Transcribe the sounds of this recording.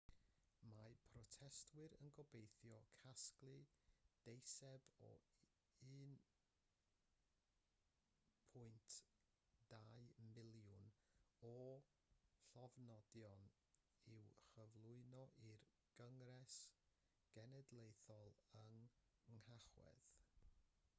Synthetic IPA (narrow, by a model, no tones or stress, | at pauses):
mapʰrɔtʰɛstʰwɨɾənɡɔbejθjɔkʰasklˠɨd̥ejsɛbɔ̰ | ɨːn | pʰʊɨntʰ | d̥aɨmɪlˠjʊnɔ | ɬɔvnɔdjɔn | ɪwχəvlˠʊɨnɔʔir | ɡ̥əŋrɛs | ɡ̥ɛnɛdlˠejθɔlˠəŋəŋhaχwɛ̰ð